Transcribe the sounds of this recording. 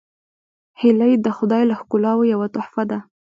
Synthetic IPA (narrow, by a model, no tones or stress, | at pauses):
hɪlajd̪əxʊd̪ɑjlahkʊlɑwojawat̪ʊħfad̪a